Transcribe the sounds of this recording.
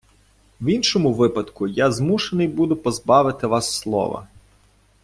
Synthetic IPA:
winʃɔmʊʋɪpɐd̪kʊjɑzmuʃenɪjbud̪ʊpɔzbɑʋɪt̪ɪʋɑsːlˠɔ̰ʋɐ̰

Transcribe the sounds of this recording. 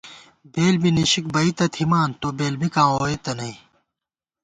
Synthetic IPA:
beːlbiniɕik̚bɐit̪ɐt̪ʰimaːnt̪obeːlbikãːoːet̪ɐnɐĩ

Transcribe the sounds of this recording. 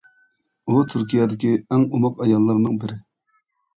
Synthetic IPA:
ut̪ʰyɾkʲʰijɛd̪ɪkʲiɛŋumɑqɑjɑlˠːɑɾnɨŋbɪɾɪ

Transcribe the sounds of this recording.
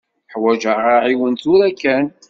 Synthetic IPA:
ħwæʒəʁaʕiwənt̪ʊɾækːæn

